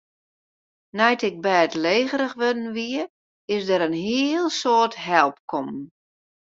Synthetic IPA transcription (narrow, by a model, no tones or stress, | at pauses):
nɛjtɪk̚bɛːətleːɣəɾəxʋødən̩ʋiə | ɪsdəɾənɦiəlˠsoːətɦɛlˠp̚kʰɔmn